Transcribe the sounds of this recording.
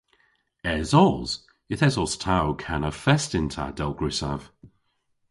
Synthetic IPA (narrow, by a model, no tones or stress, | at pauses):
ɛzɔz̥ | jəθɛzɔstʰawkʰanəfɛstɪntʰa̰d̥ɛlˠɡɹʉsa̰v̥